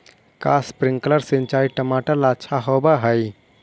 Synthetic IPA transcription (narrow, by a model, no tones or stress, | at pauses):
kaspɾɪ̃ŋɡkələɾsɪ̃nt͡ʃaːiʈəmaːʈəlaːt͡ʃʰaɦoːbaɦəj